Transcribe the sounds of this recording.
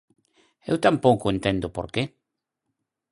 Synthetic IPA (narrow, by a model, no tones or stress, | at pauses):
ḛwt̪ampowkʊẽnt̪ẽnd̪ʊpoɾke